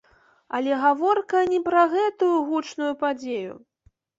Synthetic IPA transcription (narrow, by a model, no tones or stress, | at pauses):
ɐlʲɛɣavɔrkɐnʲɛpɾɐɣɛt̪ujuɣut͡ʂnujupad͡zʲejṵ